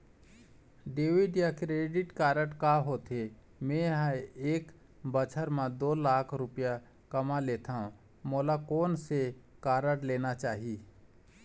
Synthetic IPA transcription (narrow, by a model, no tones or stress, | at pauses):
ɖeːʋiɖjakɾeːɖɪʈkaːɾəʈkaɦot̪e | mẽɦãeːk | bət͡ʃʰəɾmãd̪oːlaːkʰɾʊpja | kəmaleːt̪ʰaɦũ | moːlakoːnsekaːɾəʈleːnat͡ʃaːɦi